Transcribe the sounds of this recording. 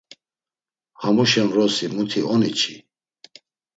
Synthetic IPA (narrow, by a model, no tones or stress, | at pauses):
hamuʃɛmɾɔsimut̪ʰiʔɔnit͡ʃʰi